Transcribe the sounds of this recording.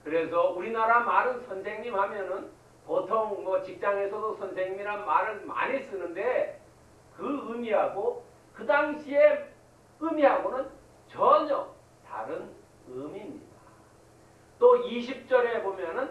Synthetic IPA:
kɯɾe̞s̬ʰʌuɾinaɾamaɾɯnsʰʌnsʰe̞ŋɲimhamjʌnɯn | potʰoŋmʌt͡ɕik̚t͡ɕ͈aŋe̞sʰʌdosʰʌnsʰe̞ŋɲiɾanmaɾɯɭma̰ɲis͈ɯnɯnde̞ | kɯɯmiɦaɡo | kɯdaŋɕʰie | ɯmiɦaɡonɯn | t͡ɕʌɲʌ | ta̰ɾɯn | ɯmimɲida | t͈oiɕ̬ʰip̚t͡ɕ͈ʌɾe̞bomjʌnɯn

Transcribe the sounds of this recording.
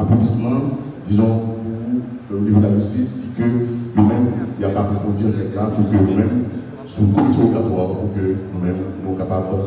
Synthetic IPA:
apɔ̃bismã | d̪izɔ̃u | livəd̪aʒysisikøjomɛ̃mjapaʁefɔ̃diʁɛt̪lapuʁkønũmɛ̃m | sukonsɔ̃d̪lãtwaʁpuʁkønũmɛ̃mnũkapab

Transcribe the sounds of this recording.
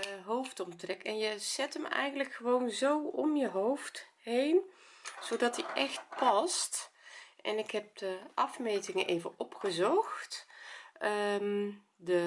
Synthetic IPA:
ɦowftɔmtrɛkɛnjəz̥ɛtəmɛ̰jɣəndləkχəʋownzowɔmjəɦowft | ɦejn | z̥owdɑtiʔɛxt̚pɑstʔɛ̰nɪkɦɛp̚d̥əʔɑfmejtɪŋəʔejvənʔɔpχəzɔxt | əm | də

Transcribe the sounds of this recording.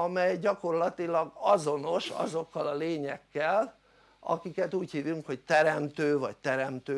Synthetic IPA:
ɒmɛjɟɒko̞rlɒt̪ilɒɡɒzo̞no̞ʃɒ̰zo̞kːɒlɒleːɲɛkːɛl | ɒ̰kikɛt̪uːchiːvyŋkho̞ct̪ɛɾɛmt̪øːvɒct̪ɛɾɛmt̪øː

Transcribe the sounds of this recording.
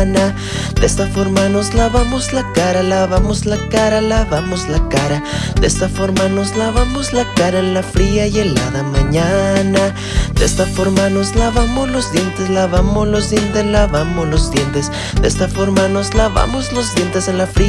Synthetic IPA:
na | d̪e̞st̪afo̞ɾmano̞zlaβamo̞zlakaɾalaβamozlakaɾalaβamo̞zlakaɾa | d̪e̞st̪afo̞ɾmano̞zlaβamo̞zlakaɾaenlafɾiaje̞la̰ðamãɲana | d̪e̞st̪afo̞ɾmano̞zlaβamo̞zlo̞zðje̞nt̪e̞slaβamozlo̞zd̪je̞nt̪e̞slaβamoszlo̞zd̪je̞nt̪e̞s | d̪e̞̰st̪afo̞ɾmano̞zlaβa̰mozlo̞zðje̞nt̪e̞senlafɾi

